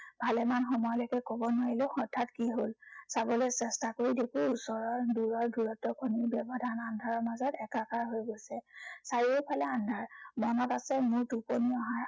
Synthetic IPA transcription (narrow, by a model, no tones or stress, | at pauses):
bʱalɛmanxɔmɔjɔlɔkɛkɔbɔnaɹilʊxɔtʰːatkiɦolsabɔlɛsɛstakoɹidekʰuusɔɹɔɹduɹɔɹdʱuɹɔtɔkʰoniɹbjɔbɔdʱanandʱaɹɔɹmazɔtɛkakaɹɦojɡojsɛsaɹiupʰalɛandʱaɹmɔnɔtasɛmʊɹtupɔniɔɦaɹ